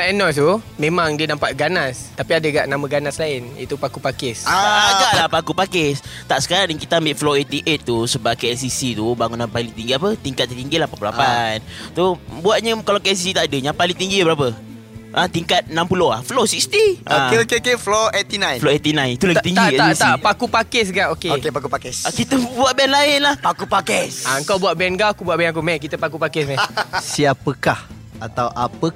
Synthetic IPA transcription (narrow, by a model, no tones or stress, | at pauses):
aɛnɔt̪umẽmaŋdiənampaʔ̪̚ɡanast̪apiadəɡa̰ʔnamə̃ɡanaslaɪnḭt̪upakupakɪsaaɡalahpakupakɪst̪aʔsə̥kaɾaŋdəŋkit̪aambɪʔfloet̪iʔet̪ːusəbap̚keɛlsisit̪ubaŋunːampaliŋt̪iŋɡiapət̪iŋkat̪̚ːət̪iŋɡilahpat̪̚pula̰pant̪ubuat̪̚ɲəkalakeɛs̬isit̪aʔadəɲãpaliŋt̪iŋɡibəɾapə | ʔat̪iŋkat̪̚nampuloha̰flosikst̪iʔaokeokefloet̪inãjnfloet̪inãjt̪ulat̪iŋɡ̪aiast̪ʔpakupakɛs̬ɡaʔokeokepakupakɛskit̪əbuaʔ̪̚bɛnlaɪnlahpakupakɛsaəŋkawbuatʔbɛnɡakubuaʔbɛnak̬umɛhkit̪əpakupakɛsmɛsiapəkah | at̪awʔapə